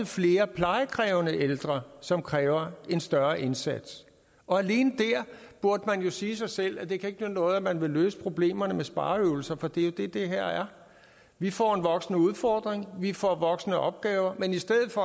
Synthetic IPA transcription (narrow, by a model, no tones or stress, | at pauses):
fle̝ːɐpʰlɑ̈ɪəkʰʁɛːʊnəʔeld̥ʁɐsɒ̽mkʰʁɛːʊɐe̝nsd̥ɶɐʔe̝nsæd̥s | ɒ̽æle̝ːnəd̥æɐ̰b̥uɐd̥əmænjo̝siːsɑ̈ɪsel̰æd̥e̝kʰæe̝ɡ̥ənønɔ̽ːð̩ˠæmænʋe̝løːsə̥pʰʁo̝b̥le̝̰ːmɐnəmesb̥ɑ̈ːøːʊl̩sɐfɒ̽d̥e̝jo̝d̥e̝d̥e̝ɦæɐ̰æɐ | ʋifɒ̰ːe̝nʋɒ̽ɡ̥snəuð̞ˠfɒːd̥ʁeŋʋifɒ̰ʋɒ̽ɡ̥snəʔɒ̽b̥̚ɡ̥ɛːʊɐmenisd̥eð̰ð̩ˠfɒ̽